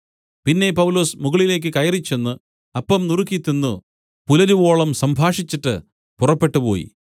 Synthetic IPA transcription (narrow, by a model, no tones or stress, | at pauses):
pinːe̞pɐwlo̞ːsmuɣɐɭile̞ːk̬ːɨkɐjɐrit͡ɕːe̞nːɨ | ɐpːɐmnurukːit̪ːunːu | pulɐɾuʋo̞ːɭɐmsɐmbʱaːʂit͡ɕːiʈːɨ̰ | purɐpːe̞ʈːupo̞̰ːjḭ